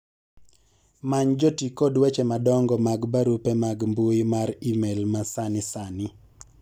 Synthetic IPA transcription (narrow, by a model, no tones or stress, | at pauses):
maɲd͡ʒɔtikɔdwɛt͡ʃɛmadɔŋɡɔmaɡbaɾupɛmaɡmbuɪmaɾimelmasanɪsanɪ